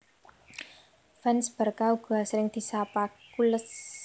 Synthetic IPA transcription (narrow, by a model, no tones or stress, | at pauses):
fɛnsb̥ə̤rkauɡ̥asɾɪŋd̪̥i̤sapakuləs